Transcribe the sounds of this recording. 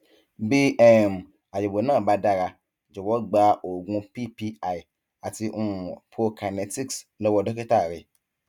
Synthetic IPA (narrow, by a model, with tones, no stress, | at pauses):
bi˧˦ʔɛ˨m˨ | a˨jo˨bo˨nãː˦˨ba˨˧da˦˨ɾa˧ | d͡ʒɔ˨wɔ˨˦ɡ͡ba˧ʔo˨ɡũ˧pi˦pi˧a˨i˨ | a˨ti˧ʔũ˧˨ũ˨pʰo˧ka˨nɛ˧ti˦˨kslɔ˦wɔ˧dɔ˦ke˦ta˦˨ɾɛ˧